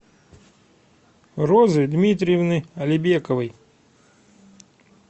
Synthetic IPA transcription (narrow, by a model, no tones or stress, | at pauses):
rozɨd̪mʲit̪ɾʲɪjɪvnɨɐlʲɪbʲekəvɨj